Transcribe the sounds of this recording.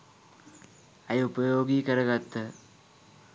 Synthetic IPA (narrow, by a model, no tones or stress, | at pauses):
ɐjupɐjoːɡikɐɾɐɡɐt̪ːɐ